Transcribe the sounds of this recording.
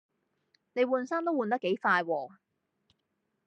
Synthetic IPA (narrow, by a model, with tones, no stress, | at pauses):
ne˨˧jwuː˨˧nsaː˥nt̪o˥wuː˨˧nt̪ɐ˥kːe˨˥jfaː˧jwɔː˨˧